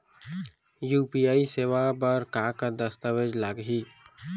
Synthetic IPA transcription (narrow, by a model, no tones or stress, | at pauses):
juːpijaːiseːʋabəɾkaːkad̪əst̪əʋed͡ʒlaɡɦiː